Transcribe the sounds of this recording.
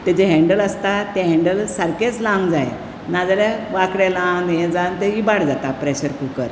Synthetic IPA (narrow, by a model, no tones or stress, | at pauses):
t̪ed͡ʑeɦɛ̃ɳɖələst̪at̪eɦɛ̃ɳɖəlsəɾket͡slãŋd͡zae | nad͡zalaʋakɽelãd̪jẽd͡zãnt̪eibaɽd͡zat̪apɾeɕəɾkukəɾ